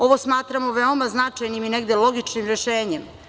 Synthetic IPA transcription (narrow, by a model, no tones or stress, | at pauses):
o̞ʋo̞smaːt̪ɾamo̞ʋeo̞maznat͡ʂajnimine̞ɡd̪elo̞ɡit͡ʃnimɾe̞ʃeːɲem